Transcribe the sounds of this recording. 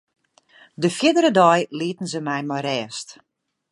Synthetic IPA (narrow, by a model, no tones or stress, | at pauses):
dəfjɪdəɾədɔjliətən̩zəmɛjmɔrɛːst